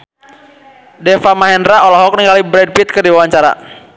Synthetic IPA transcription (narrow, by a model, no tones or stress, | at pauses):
dɛfamaɦɛndɾaɔlɔɦɔk̚niŋɡalibɾɛd̚pit̪̚kərdiwawaɲt͡ʃaɾa̰